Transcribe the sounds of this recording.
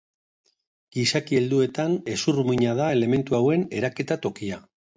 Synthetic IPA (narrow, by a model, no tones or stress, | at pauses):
ɡ̥isakie̞ld̪ue̞t̪ane̞surumiɲað̞ae̞le̞me̞nt̪uawe̞ne̞ɾake̞t̪at̪o̞kia